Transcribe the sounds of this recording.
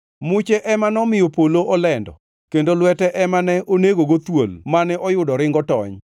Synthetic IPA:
mʊt͡ʃɛʔɛmanɔmɪjopoloʔɔlɛndɔ̰ | kendolwɛtɛʔɛmanɛoneɡoɡot̪wolmanɛʔɔjʊdɔɾɪŋɡɔtɔɲ

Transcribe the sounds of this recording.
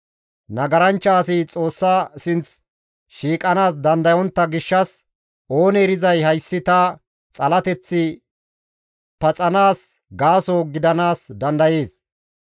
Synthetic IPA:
nɐɡɐɾɐnt͡ʃːaːsɪt͡sʼo̞ːsːaːsɪnt͡s | ʃiːkʼɐnaːsd̪ɐnd̪ɐjɔnt̪ːɐɡɪʃːɐs | o̞ːnɛːɾɪzɐjhɐjsːɪt̪ɐ | t͡sʼɐlɐt̪ɛt͡sːɪ | pɐt͡sʼɐnaːs | ɡaːsoːɡɪd̪ɐnaːsd̪ɐnd̪ɐje̞ːs

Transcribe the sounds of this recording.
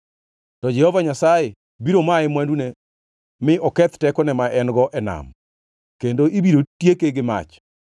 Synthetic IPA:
tɔd͡ʒɛhɔvaɲasaje | biɾomaɛmwandune | mɪɔkɛt̪tɛkɔnɛmaʔɛnɡɔʔɛna̰m | kendoʔibiɾotjekeɡɪma̰t͡ʃ

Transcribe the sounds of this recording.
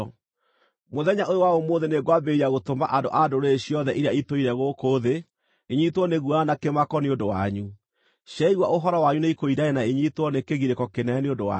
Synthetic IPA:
moðɛɲaʔojowaomoːðeneɡwabeɾiaɣotomba̰ʔandoʔadoɾeːɕiɔðɛʔiɾeaitoiɾɛɣokoːðe | eɲitwɔneɣuanakemakɔneondowa̰ɲu | ɕɛiɣwaʔoɦɔɾɔwaɲuneikoidaɛnaeɲitwɔnekeɣiɾekɔkenɛneodowa̰

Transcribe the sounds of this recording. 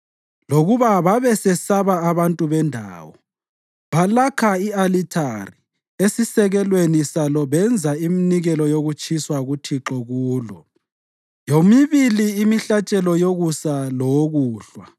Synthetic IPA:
loɣuβaβaβɛsɛsaβaaβantʼuβɛndʱa̰ːwɔ | βalakʰaialitʰari | esisɛɣɛlwenisalɔβɛnd͡zʱaiminiɣɛlɔjoɣut͡ʃʼʰiswaɣutʰiǁɔɣuːlɔ | jomiβiliːmiɬat͡ʃʼɛlɔjoɣusalɔɣuːɬwa

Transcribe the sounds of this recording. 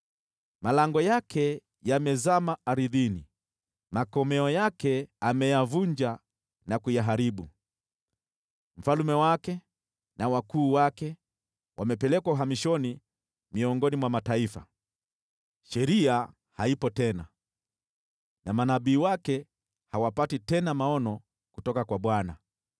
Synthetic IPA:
malaŋɡɔjakʰɛ | jamɛzamaaɾiðini | makɔmɛɔjakɛamɛjavuɲd͡ʒa | nakujaɦaɾiɓu | m̩falumɛwakɛ | nawakuːwakɛ | wʔamɛpɛlɛkwauɦamiʃɔni | miɔŋɡɔnimwamataifa̰ | ʃɛɾia | haipɔtɛna | namanaɓiːwakɛ | hawapatitɛnamaɔnɔ | kutɔkakwaɓwana

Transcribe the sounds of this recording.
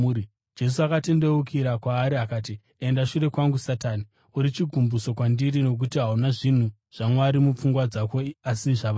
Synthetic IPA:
i | d͡ʒe̞s̬uakate̞nde̞ukʰiɾakwaːɾiakaːti | e̞ndaʃure̞kwaŋɡusataːni | uɾit͡ʃiɡʱumbuso̞kwandiɾino̞k̬utiɦaunaʐin̤u | ʐ̥amwaɾimup͡fuŋɡwad͡zakoasiʐaʋa

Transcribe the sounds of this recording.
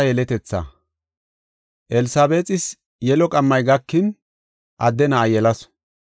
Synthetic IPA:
ɐjɛlɛt̪ɛt͡sːɐ̰ | ʔɛlɪsaːbeːt͡s̪ʼɪs | jɛlɔkʼɐmːɐjɡɐkːɪn | ʔɐd̪ːɛnɐːjɛlɐs

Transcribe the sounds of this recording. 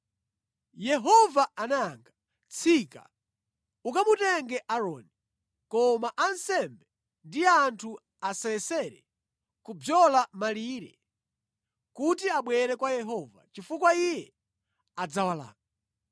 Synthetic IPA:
jɛɦɔvaanaŋɡa | t͡sʰika̰ | ukamutɛŋɡɛʔaɾɔni | kɔmaʔansɛmbɛ | ndiantʰu | asɛɛsɛɾɛ̰ | kubjɔlamaliɾɛ̰ | kutiaɓwɛɾɛkwajɛɦɔva̰t͡ʃifukwaijɛ | ad͡zawala̰ːŋɡa

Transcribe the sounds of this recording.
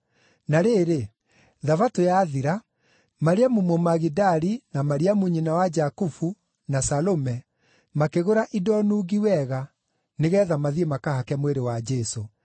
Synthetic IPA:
naɾeːɾe | ðavatojaːðiɾa | maɾeamumomaɣidaɾinamaɾiamuɲinawad͡ʒakufu | nasalomɛ | makeɣoɾaʔidɔnuːɣiwɛɣa | neɣɛðamaðiemakahakɛmweɾewad͡ʒɛso

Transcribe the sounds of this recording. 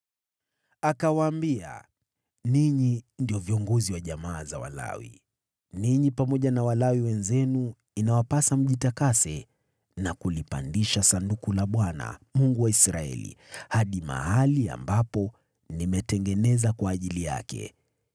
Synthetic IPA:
akawaːmbia̰ | niɲindiɔviɔŋɡɔziwaʄamaːza̰wa̰la̰wḭ | niɲipamɔʄanawalawiwɛnzɛnu | inawapasam̩ʄitakasɛ | nakulipa̰ndiʃasandukulaɓwana̰muŋɡuwaisɾaɛ̰lḭhaɗima̰halia̰mbapɔ | nimɛtɛŋɡɛnɛzakwaːʄilija̰kɛ̰

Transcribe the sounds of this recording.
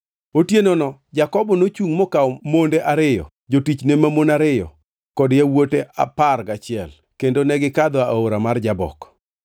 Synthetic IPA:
otjenonɔd͡ʒakɔbɔnot͡ʃuŋmɔkaɔmondeʔaɾɪjɔ̰ | d͡ʒotit͡ʃnemamonaɾɪjɔ̰ | kɔdjawoteʔa̰parɡat͡ʃɪɛl | kendonɛɡɪkad̪ɔaoɾamard͡ʒabɔ̰k

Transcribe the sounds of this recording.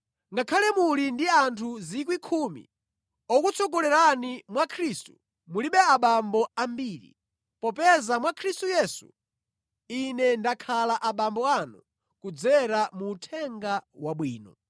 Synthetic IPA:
ŋɡakʰalɛmulindiantʰuzik̬wikʰuːmḭ | ɔkut͡sʰɔkɔlɛɾanimwakʰɾiːstu | muliɓɛaɓambɔambiːɾḭ | pɔpɛzamwakʰɾistujɛːsṵ | inɛndakʰalaʔaɓambɔanṵ | kud͡zɛɾamuːtʰɛŋɡawaɓwiːnɔ̰

